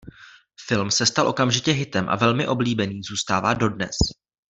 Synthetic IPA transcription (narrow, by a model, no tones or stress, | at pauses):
fɪlmsɛst̪alʔo̞kamʒɪcɛɦɪt̪ɛmʔa̰vɛlmɪʔo̞bliːbɛniːzuːst̪aːvaːdo̞dnɛ̰s